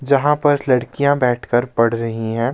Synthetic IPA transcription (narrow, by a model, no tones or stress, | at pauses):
d͡ʒɐɦãpɐɾlɐɽkijãbɛːʈʰkəɾpɐɽ̤ɾɐɦĩɦɛ̃ː